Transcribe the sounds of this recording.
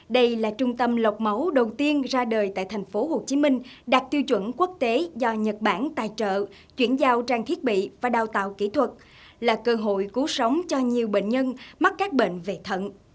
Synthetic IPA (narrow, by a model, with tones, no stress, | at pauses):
ɗə˧jlaː˨˩t͡ɕʊ˧ŋ͡mt̪ə˧mlə˨˩wk͡p̚mə˨˦wɗə˨˩wt̪i˧ənzaː˧ɗəː˨˩jt̪a̰ː˧˨jt̪ʰa˨˩jŋ̟fo˨˦ɦo˨˩t͡ɕi˨˦mï˧ŋ̟ɗaː˨˩k̚t̪i˧wt͡ɕwə̰˧˩nku˦˥ək̚t̪e˨˦zɔ˧ɲə˨˩t̚ɓaː˧˩nt̪a̰ː˨˩jt͡ɕə̰ː˧˨ | t͡ɕwḭ˧˩ənzaː˧wt͡ɕaː˧˩ŋt̪ʰi˦˥ət̚ɓḭ˧˨vaː˨˩ɗaː˨˩wt̪a̰ː˧˨wki˧˩t̪ʰwə˨˩t̚ | laː˨˩kəː˧ɦo̰˧˨jku˨˦sə˨˦wŋ͡mt͡ɕɔ˧ɲi˨˩əwɓḛ˧˨nɲə˧nma˦˥t̚kaː˦˥k̚ɓḛ˧˨nve˨˩t̪ʰə̰˧˨n